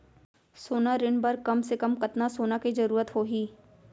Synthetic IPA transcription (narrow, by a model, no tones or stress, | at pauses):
soːnaɾɪnbɐɾkɐmsekɐmkɐt̪nasoːnakizɐɾuːɾət̪ɦoːɦiː